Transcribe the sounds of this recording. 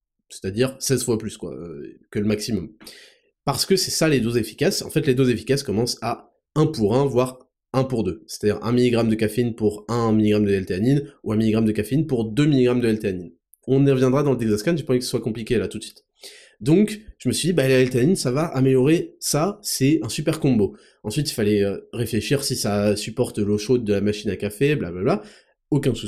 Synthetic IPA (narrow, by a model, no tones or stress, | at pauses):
sɛ̥t̪ad̪iʁsɛzfwaplyskwa̰ø̰kʲələmaksimɔm | paʁsə̥kəsɛsaled̪ozefi̥kʲasɑ̰̃fɛt̪led̪ozefi̥kʲaskɔmɑ̃sa | ɛ̃puʁɛ̃vwaʁ | ɛ̃puʁd̪øse̥t̪ad̪iʁɛ̰̃miliɡʁamd̪əkafeinpuʁɛ̃miliɡʁamd̪əɛlt̪eaninuɛ̃miliɡʁamd̪əkafeinpuʁd̪ømiliɡʁamd̪əɛlt̪eanin | ɔ̃niʁəvjɛ̃d̪ʁad̪ɑ̃ləd̪ɛɡzaskanʒəpɑ̃ɛkəsḁswakɔ̃plikʲelat̪ut̪sɥi̥t̪ | d̪ɔ̃kʒ̥əməsɥid̪ibalaɛlt̪eaninsavaʔameljɔʁesasɛɛ̃sypɛʁkɔ̃bo | ɑ̃sɥit̪ilfalɛøʁefleʃiʁsisasypɔʁt̪loʃod̪ːəlamaʃinakafebla̰blabla | okʲɛ̃su